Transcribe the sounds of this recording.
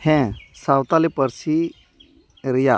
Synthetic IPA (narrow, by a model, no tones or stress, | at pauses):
hɛ̃sawt̪alipəɾsi | ɾija